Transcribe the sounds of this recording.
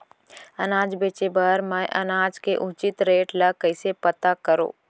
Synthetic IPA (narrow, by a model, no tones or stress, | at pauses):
ənaːd͡ʒbeːt͡ʃebəɾmə̃ʔɐnaːd͡ʒkeʔʊt͡ʃɪt̪ɾeːʈləkəɪsepət̪akəɾo̰ː